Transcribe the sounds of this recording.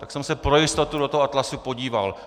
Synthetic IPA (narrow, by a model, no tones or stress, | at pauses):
t̪ḁksɛmsɛpɾo̞jɪst̪ot̪udooɦoʔat̪lasupo̞ɟiːva̰l